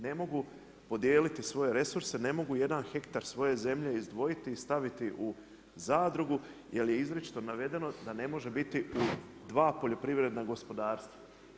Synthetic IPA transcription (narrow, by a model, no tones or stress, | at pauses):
ne̞mo̞ɡu | po̞d̪je̞ːlit̪isʋo̞je̞ɾe̞suɾse̞ne̞mo̞ɡuje̞d̪anxe̞kt̪aɾsʋo̞je̞ze̞mʎe̞izd̪ʋo̞jit̪iːst̪aʋit̪iʔu | zaːd̪ɾuɡu | je̞lje̞izɾet͡ʃi̥t̪o̞naʋe̞d̪e̞no̞d̪ane̞mo̞ʒe̞bit̪iud̪ʋaːpo̞ʎo̞pɾiʋɾe̞d̪naɡo̞spo̞d̪aːɾst̪ʋa